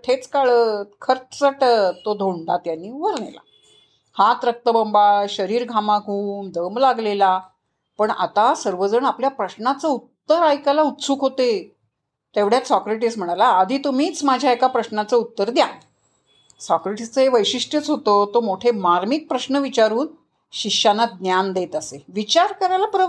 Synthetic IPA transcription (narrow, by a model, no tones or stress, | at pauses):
ʈʰet͡skaɭəkʰəɾt͡st͡səʈt̪od̪ʱoɳd̪at̪janːiːʋəɾɳḛla̰ | hat̪ɾək̚t̪əbəmbaɕəɾiːɾɡʱamaɡʱuːmd̪ʱəmlaɡlela | pəɳa̰t̪asəɾʋəd͡zəɳapljapɾəɕnat͡səut̪ːəɾajkalaut̪suːkɦot̪e | t̪eʋɽ̤jat͡ssɔkɾeʈ̬ism̤əɽ̃alaːd̪ʱiːt̪um̤iːt͡smad͡ʑʱjaekapɾəɕnat͡səut̪ːəɾd̪ja | sɔkɾeʈist͡səɦeʋəjɕiʂʈjət͡sɦot̪ət̪omoʈʰemaɾmik̚pɾəɕnəʋit͡ɕaɾuːn | ɕianad̪njand̪et̪əseʋit͡ɕaɾkəɾajlapɾə